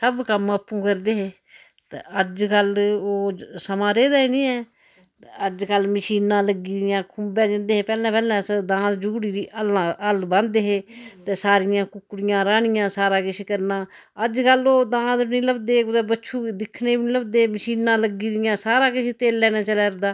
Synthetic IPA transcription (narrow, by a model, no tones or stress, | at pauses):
səbkəməpːũːkəɾd̪eːɦeː | t̪eəd͡ʒkəloːsəmãːɾeːd̪aːiːnĩːɛː | əd͡ʒkəlməʃiːnãːləɡiːd̪ɪjãːkʰʊmbɛ̃ːd̪ɪ̃nd̪eːɦeːpɛːlãːpɛːlãːsəd̪ãːt̪d͡ʒuːɽiːɾiːʔəlãːʔəlbə̃nd̪eːɦeːt̪eːsaːɾɪjãːkʊkːɽɪjãːɾaːɳɪjãːsaːɾãːkɪʃeːkəɾnãː | əd͡ʒkəloːd̪ãːd̪nĩːləbd̪eːʊd̪eːbətːʃʰuːd̪ɪkʰneːbiniləbd̪eːməʃiːnãːləɡiːd̪ɪjãːsaːɾãːkɪʃeːt̪eːlːɛːnaːt͡ʃəlɛːɾd̪aː